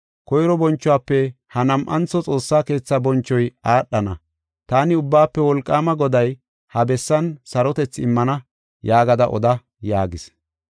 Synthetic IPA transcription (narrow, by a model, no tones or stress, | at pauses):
kɔjɾɔbɔnt͡ʃːʊwaːpːɛhɐnɐmʔɐnt͡sːɔt͡sʼo̞ːsːaːke̞ːt͡sːɐbɔnt͡ʃːɔjaːɗːɐnɐ | t̪aːnɪʊbːaːpːɛwɔlkʼːaːmɐɡɔd̪ɐj | hɐbɛsːɐnsɐɾɔt̪ɛt͡sːɪmːɐnɐ | jaːɡɐd̪ɐʔɔ̰d̪ɐ | jaːɡɪs